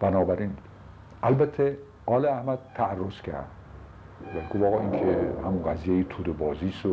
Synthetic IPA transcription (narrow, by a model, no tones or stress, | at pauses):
b̥ænɒːbæɾiːn | ʔælbæt̪ʰːe | ɒːleæhmæd̪̚t̪ʰːæːrːoscʰæ̰ɾd̪̥ | væɡofɒːɣɒinkʰehæmunɡæzijejet̪ʰuːd̪ebɒːziːso